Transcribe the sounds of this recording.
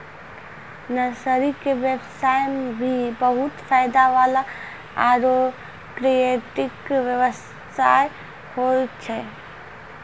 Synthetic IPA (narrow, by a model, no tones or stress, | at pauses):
nɐsəɾikeʋebsaːjmbʱibəɦʊt̪faːɪd̪aʋaːla | aːɾo | kɾieʈɪkʋjəʋəs | aːj | hot͡ʃʰɛ